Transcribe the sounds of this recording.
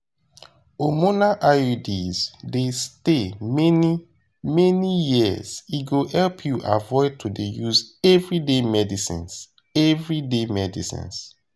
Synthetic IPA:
omonaʔajodizdestemɛni | mɛnijiəziɡohɛlpʰjuʔa̰vɔɪd̚tʰudejuzɛvɹidemɛdisḭ̃ns | ɛvɹidemɛdḭsḭ̃ns

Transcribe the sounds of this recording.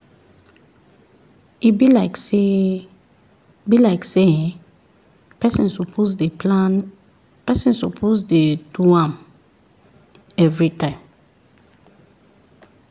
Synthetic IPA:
ibilakse | bilaɪkse | pɛsɔ̃nsopozdepʰlãn | pɛsɔ̃nsopʰozdeduãm | ɛvɹitʰãɪ̃m

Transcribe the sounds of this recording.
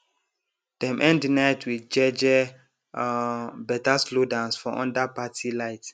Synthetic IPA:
d̥ɛ̃mʔɛ̃ndinaɪtwid͡ʒɛd͡ʒɛ | bɛtaslodãnsfɔʔɔ̃ndapatʰilaɪt

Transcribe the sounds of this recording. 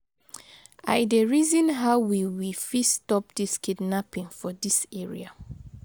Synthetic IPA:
adeɹizɔ̃nɦaʊwiwifistɔp̚diskidnapĩŋfɔdisɛɹḭa

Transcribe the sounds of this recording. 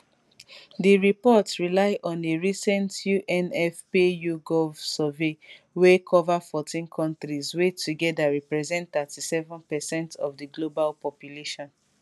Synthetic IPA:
diɹipɔtɹilaɪʔɔ̃neɹisɛ̃ntjuʔɛ̃nɛfpejuɡɔvsɔve | wekʰɔvafɔtĩnkʰɔ̃ntɹizwetʰuɡɛdaɹɛpɹɛzɛ̃ntθətisɛvɔ̃npɛsɛ̃ntɔvdiɡlobalpɔpjuleʃɔ̃n

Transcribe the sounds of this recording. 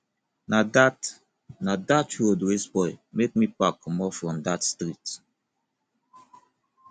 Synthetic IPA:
nadat | nadatʰodwesbɔɪmek̚mipakʰːɔmɔfɹɔ̃mdatstɹit

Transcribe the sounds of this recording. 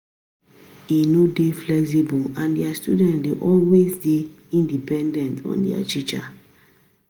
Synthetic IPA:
inodeflɛks̬ibulãndɛastṵdɛ̃ntdeʔɔlwezde | ĩndipɛ̃ndɛ̃ntɔ̰̃ndɛ̰a̰t͡ʃit͡ʃa̰

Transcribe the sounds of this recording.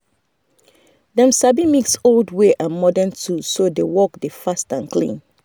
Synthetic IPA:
dɛ̃msabimiksoldweʔãnmɔdɛ̃ntʰusodewɔk̚defastãnklḭ̃n

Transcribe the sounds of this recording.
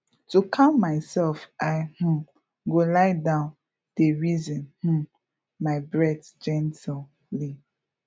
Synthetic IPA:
tukʰãmmaɪsɛlfʔaɪhũ | ɡolaɪdãʊ̃n | d̥eɹizɔ̃nhũ | maɪbɹɛdd͡ʒɛ̃ntʰil | li

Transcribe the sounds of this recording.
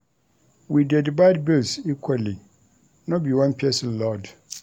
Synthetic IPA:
widɛdibaɪdbɪlsikʰwali | nɔ̃biwãnpʰiɛsɪlɔd

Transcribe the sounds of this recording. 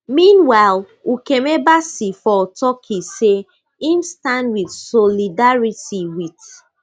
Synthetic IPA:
mĩnwaɪl | ukemebasifɔtɔkʰise | imstãndwidsɔlidaɹitiwit

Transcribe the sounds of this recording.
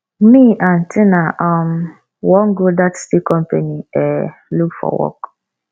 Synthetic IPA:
miʔan̩tʰɪnaʔɔm̩ | wɔŋ̩ɡodatstikɔm̩peniɛlukfɔ̰wɔ̰k

